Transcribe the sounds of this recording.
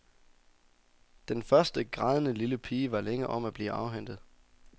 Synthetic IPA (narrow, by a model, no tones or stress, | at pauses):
d̥enfɶɐsd̥əɡ̥ʁɑ̈ðˠənəliləpʰiːʋɑ̈leŋəʔɒ̽m̰æb̥lḭːʔɑ̈ʊɦæn̰d̥ð̩ˠ